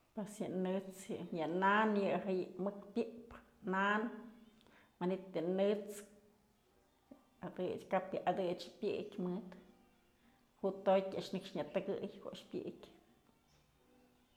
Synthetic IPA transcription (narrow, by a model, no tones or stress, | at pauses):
pesjɨnɨt͡sjɨjɨnanjɨʔɦajɨmɨk̚pʲjɨʔp | nan | manit̪jɨnɨt͡s | ad̪ɨt͡ʃkapjɨʔad̪ɨt͡ʃpʲjɨ̰ʔkʲmɨt̪ | huʔt̪ojkʲaʔʂnɨkʂɲat̪ɨɡɨjkoʔʂpʲjḭʔkʲ